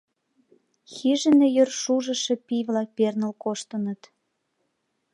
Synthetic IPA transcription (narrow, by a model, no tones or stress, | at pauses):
xiʒə̆nĕjørʃuʒə̆ʃĕpiβlɑk̚pernə̆lkoʃt̪ənə̆t̪